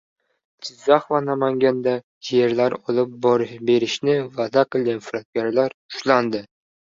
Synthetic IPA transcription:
d͡ʒɪzːaχvanamaŋɡʲand̪a | d͡ʒjeɾlaɾɒlˠɪp̚bɾbe̞ɾɪʃnɪvad̪aqɨlˠɡʲanfɾat̪̚ɡʲaɾlaɾʊ̥ʃland̪ɪ

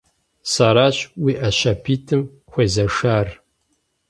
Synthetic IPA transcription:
saɾaːɕwiːʔɐɕɐpʰiːtʰɨm | xʷeːzɐʂaːr

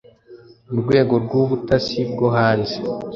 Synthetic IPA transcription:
uɾɡwe̞ːɡo̞ɾɡuβutasib̚ɡo̞ɦaːnzi

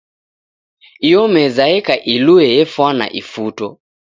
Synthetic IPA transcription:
ijɔmɛzaɛkaʔiluɛjɛfwana̰ʔifutɔ

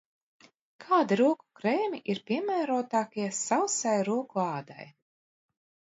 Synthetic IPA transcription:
kʰaːd̪iɾuɔku̥kɾɛːmʲiʔiɾpʲiɛmæːɾuːt̪aːkiɛsawsajɾuɔkuaɑːd̪a̰j

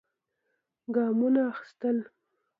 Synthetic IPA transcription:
ɡɑmunaːxɪ̥st̪əl

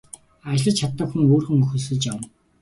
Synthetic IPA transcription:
at͡ɕɪɮə̆t͡ɕt͡ɕʰat̪ːə̆kxuŋoːrxɵ̆ŋɵxɵ̆sɵ̆ɮt͡ɕam

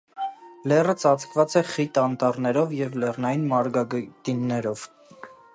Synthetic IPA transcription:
lɛrət͡sɑt͡skʰvɑt͡sɛχit̪ɑnt̪ɑrnɛɾɔvjɛvlɛrnɑjinmɑɾɡɑɡt̪inːɛɾɔv̥

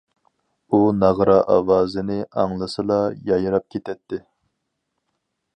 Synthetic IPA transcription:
unɑʁɾɑʔɑwɑːzɨnɪɑŋlˠɨsɨlˠɑjɑjɾɑp̚kʲʰet̪ʰɛt̪ʰːɪ

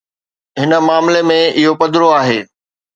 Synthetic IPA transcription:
ɦɪnə̆maːmlemẽɪɦopɐd̪ɪɾoaːɦeː

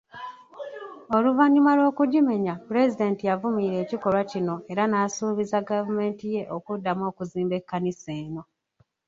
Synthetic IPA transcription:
o̞luvaɲimalwo̞ːkuɟime̞ɲapɾe̞zide̞ːntijavumiːɾe̞ːciko̞lwacino̞e̞ɾanaːsuːβizaɡavume̞ːntije̞ʔokudːamo̞ːkuziːmbe̞kːaniseːno̞

